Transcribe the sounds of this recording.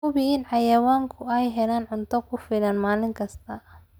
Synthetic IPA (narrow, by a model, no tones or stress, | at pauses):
kʊβɪɪnʕɑjɐwaːŋkʰʊɛjɦɛlaːnʕʊnt̪ʰɔkʰʊfɪlɐnmaːlɪŋkʰɐst̪ʰɐ